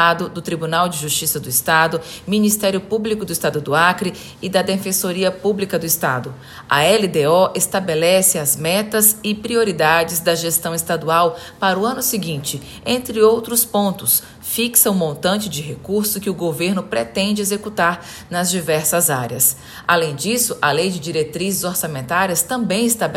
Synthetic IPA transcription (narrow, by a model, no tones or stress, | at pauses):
ad̪ʊd̪ʊt̪ɾibunawd͡ʒɪʒust͡ʃisɐd̪ʊist̪ad̪ʊmĩnist̪ɛɾjʊpublikʊd̪ʊist̪ad̪ʊd̪ʊakɾi | ɪd̪ɐd̪efẽsoɾiɐpublikɐd̪ʊɪst̪a̰d̪ʊ | ɐ̰ɛlid̪eɔʔest̪abelɛsɪɐzmɛt̪ɐzɪpɾioɾid̪ad͡ʒɪzd̪ɐʒest̪ɐ̃w̃ɪst̪ad̪uaw | paɾʊɐ̃nʊsɪɡĩnt͡ʃɪ | ẽnt̪ɾɪowt̪ɾʊspõnt̪ʊs | fiksɐʊmõnt̪ɐ̃t͡ʃɪd͡ʒɪɦekuɾsʊkɪʊɡoveɾnʊpɾet̪ẽnd͡ʒɪezekut̪aɾ | nɐzd͡ʒivɛɾsɐzaɾjɐs | a̰lẽj̃d͡ʒisʊʔɐlejd͡ʒɪd͡ʒiɾet̪ɾizɪzoɾsamẽnt̪aɾiɐst̪ɐ̃mbẽj̃ɪst̪ab